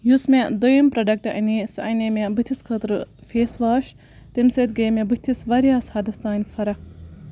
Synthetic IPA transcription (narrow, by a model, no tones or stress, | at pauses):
jusmʲed̪ojimpɾɐɖɐk̚ʈɐʔɐ̰nisuʔɐnemebɨt̪ʰiskʰɐt̪ɾɨfeːsʋaːʃ | t̪imsɐt̪ɡeːmebɨt̪ʰisʋɐɾijaːshɐd̪ɐst̪aːnʲfɐɾɐk̚